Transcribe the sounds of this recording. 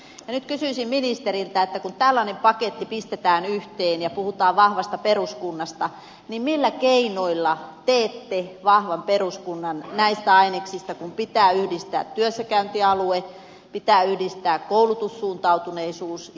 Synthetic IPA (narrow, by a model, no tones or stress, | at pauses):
jɑnyt̪kysyisimminist̪eɾilt̪æet̪ːækunt̪ælːɑnempɑket̪ːipist̪et̪æːnyht̪eːnjɑpuhut̪ɑːʋʋɑhʋɑst̪ɑperuskunːɑst̪ɑ | nimmilːækeinoilːɑt̪eːt̪ːeʋɑhʋɑmperuskunːɑnnæist̪æɑineksist̪ɑkumpit̪æːyhdist̪æ̰ːt̪tːyøsːækæynt̪iɑlue | pit̪æːyhdist̪æːkkoulut̪usːuːnt̪ɑut̪uneisuːs